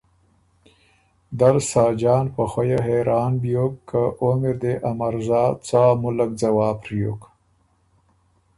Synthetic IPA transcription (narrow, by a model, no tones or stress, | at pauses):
d̪aɾsɑːd͡ʒɑːnpəxwajaɦeɾɑːnbjokkːaʔomɪɾd̪eʔamaɾzɑːt͡saːmʊlak̚d͡zawɑːpɾijo̰k